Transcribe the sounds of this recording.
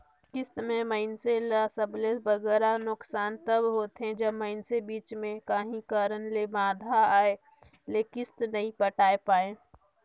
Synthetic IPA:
kɪst̪mẽməɪnselasəblebəɡɛːɾanʊksaːnt̪əbɦoːt̪ɦɛ̃d͡ʒəbməɪnsebiːt͡ʃmẽkaːɦĩkəɾənlebãːd̪ʱaaːe | lekɪst̪nəĩpəʈaːepaːẽː

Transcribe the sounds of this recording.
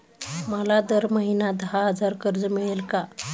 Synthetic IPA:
məlad̪əɾməɦinad̪əɦaɦəd͡zaɾkəɾd͡zəmiɭelka

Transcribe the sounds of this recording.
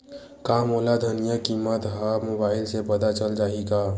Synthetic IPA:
kamolad̪ʱənijəkimət̪ɦamobaɪlsepəd̪at͡ʃəld͡ʒaɦika

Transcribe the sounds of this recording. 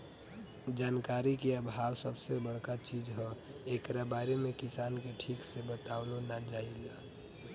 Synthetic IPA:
d͡ʒankaɾikeəbʱawsəbsebəɽ̤kat͡ʃid͡ʒɦɔekɾabaɾemekisankeʈʰiksebət̪aʊlonad͡ʒaila

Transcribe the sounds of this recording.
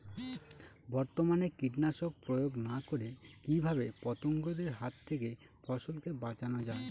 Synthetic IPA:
bɔɾt̪omanekiʈnaʃok̚pɾojoɡnakoɾekibʱabepɔt̪oŋɡod̪eɾɦat̪ʰːeke | fʰɔʃolkebat͡ɕanod͡ʑae

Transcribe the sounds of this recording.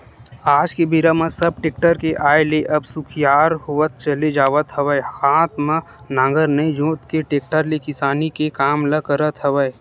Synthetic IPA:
aːd͡ʒkebiɾamãsəb̚ʈeːk̚ʈəɾkeʔaːeleʔɐbsʊkʰjaːɾɦoət̪̚t͡ʃəled͡ʒaːʋət̪ɦɐʋəehaːt̪ʰmã | nãːɡəɾnəĩd͡ʒõːt̪keʈeːk̚ʈəɾlekɪsaːnikekaːmləkəɾət̪ɦəʋəe

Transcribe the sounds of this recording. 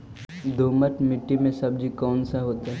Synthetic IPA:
d̪ʱoːməʈ̪mɪʈːimẽsɐbd͡ʒʱikɔːnsaɦoːt̪aɦɛ

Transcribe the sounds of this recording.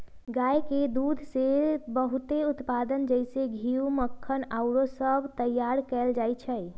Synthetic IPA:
ɡajked̪ud̪ʱsebəɦut̪eut̪pad̪ənd͡ʒəjseɡʱiuməkʰːənaʊɾosəbʱt̪əjaɾkɛld͡ʒajt͡ʃʰəj

